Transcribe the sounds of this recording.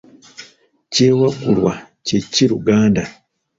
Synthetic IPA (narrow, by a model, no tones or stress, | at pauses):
ceːwakulwa | ceciɾuɡaːnda